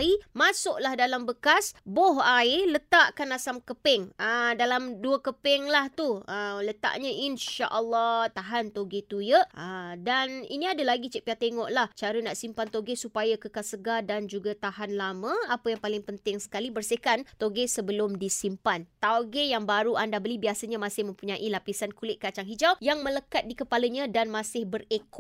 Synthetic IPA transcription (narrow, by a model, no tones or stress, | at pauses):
imasʊʔlahdalambəkasboɦaelət̪aʔkanasamkəpɛŋədalamduəkəpɛŋlaht̪uələt̪a̰ʔɲə̃ʔinʃa̰ʔəlːɔt̪aɦant̪oɡet̪ujəʔədanḭnĩadalaɡit͡ʃəʔpiat̪eŋɔʔlaht͡ʃaɾənaʔsimpant̪oɡesupajakəkasəɡadand͡ʒuɡat̪aɦanlamə̃apajaŋpalɪŋpənt̪ɪŋsə̥kalibərsekant̪oɡesəbəlʊmdisimpant̪aɡejaŋbaɾuʔandabəlibiasəɲamãsɪhmə̃mpuɲãʔilapisankulɪʔ̚kat͡ʃaŋɦid͡ʒawjaŋmə̃ləkat̪̚dikəpaləɲãdanmãsɪhbərekɔ